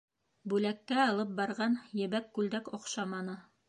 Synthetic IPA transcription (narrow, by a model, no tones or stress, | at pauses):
bʉlækːæɑlˠɤp̚bɑɾʁɑnjɘ̆βækːʉld̪ækoqʃɑmɑnɤ